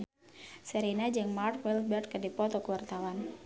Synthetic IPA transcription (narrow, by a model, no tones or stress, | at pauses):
səɾinad͡ʒɨŋmart̪wɛlbɛrd̪̚kədipɔt̪ɔkəwart̪awan